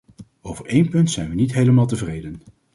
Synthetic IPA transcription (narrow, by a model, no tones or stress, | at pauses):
owvəɹejnpɵntsɛjnʋənitɦejləmaːlˠtəvrejdən